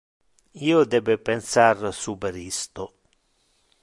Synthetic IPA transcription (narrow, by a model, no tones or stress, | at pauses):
iːod̪ɛbepensarsubeɾist̪o